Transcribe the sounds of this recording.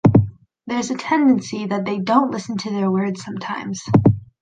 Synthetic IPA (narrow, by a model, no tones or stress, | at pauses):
ðə˞zɨtʰɛ̃ndɨ̃nsiðɨt̪̚ðeɪdõʊ̃nʔlɪsn̩tʰɨðə˞wɜ˞dz̥sʌ̃mtʰãɪ̃mz̥